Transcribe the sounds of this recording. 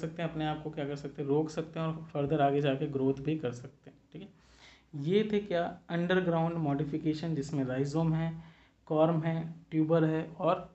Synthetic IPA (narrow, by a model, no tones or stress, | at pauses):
sɐk̚t̪eɦɛ̃ɐpneaːp̚kokjakɐɾsɐk̚t̪eɦɛ̃ɾoːksɐk̚t̪eɦɛ̃ɔːɾfəɾd̪əɾaːɡed͡ʒaːkeɡɾoːt̪ʰbʱikɐɾsɐk̚t̪eɦɛ̃ʈʰiːkɛ | jet̪ʰekjaːɐ̃ɳɖəɾɡɾaːʊ̃ɳɖmɔːɖɪfɪkeːʃənd͡ʒɪsmẽɾaːɪzoːmɦɛː | kɔːɾmɦɛːʈjuːbəɾɦɛːɔːɾ